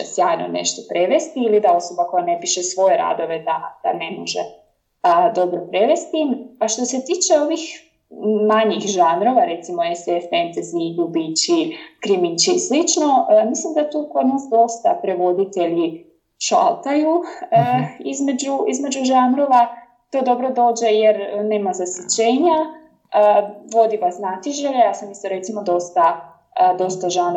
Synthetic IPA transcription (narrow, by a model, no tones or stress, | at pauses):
esjaːjno̰nḛʃt̪o̞pɾe̞ʋe̞st̪iilid̪ao̞so̞bako̞jane̞piʃe̞sʋo̞jeɾa̰ːd̪o̞ʋe̞d̪ad̪̥a̰ne̞moʒḛ | əd̪o̞bɾopɾe̞ʋe̞st̪imaʃt̪o̞se̞t̪iːt͡ʃe̞o̞ʋix | maɲixʒanɾo̞ʋaɾet̪simoesefent̪ezniɡubit͡ɕikɾimit͡ɕislit͡ʃno̞mislimd̪at̪ukod̪naːsd̪o̞st̪apɾe̞ʋo̞d̪it̪e̞ʎi | ʃa̰lˠt̪ajuəizme̞d͡ʑuizme̞d͡ʑuʒaːnɾo̞ʋa | t̪o̞ːd̪o̞bɾo̞d̪o̞ːd͡ʑe̞jeɾne̞ːmazasjit͡ɕe̞ːɲa | əʋo̞d̪iʋasnat̪iʒeʎejaːsamist̪oɾet̪simo̞d̪o̞st̪a | əd̪o̞st̪aʒan